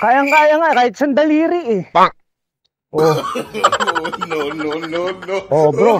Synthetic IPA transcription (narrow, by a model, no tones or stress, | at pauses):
kaːjaŋkaːjaŋakaːhɪt̪̚sɐnd̪ɐliːɾɪʔɪpa | ʔo | ononononoʔobɾo